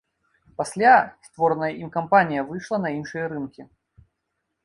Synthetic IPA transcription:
pasʲlʲast̪vɔɾnɐjɐʔimkampanʲijɐvɨʂlˠɐnɐinʂɨjɐɾɨnkʲi

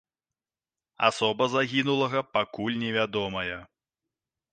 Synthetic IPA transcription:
a̰sɔbɐzaɣʲinulˠɐɣɐpakulʲnʲɛvʲad̪ɔmɐjɛ

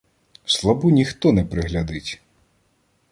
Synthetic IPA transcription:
slˠɐbunʲixt̪ɔnɛpɾɪɦlʲɐd̪ɪtʲ

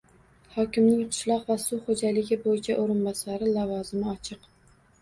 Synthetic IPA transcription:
hɒkʲɪmnɪŋqʰʊ̥ʃlˠɒqvasʊχod͡ʒalɪɡʲɪbojɪt͡ʃʰaʔoɾɪnbɒsaɾɪlavɒzɪmɪɒt͡ʃʰɨq

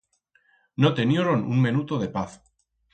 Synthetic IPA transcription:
not̪e̞njoɾonṵŋmenut̪oð̞e̞paθ

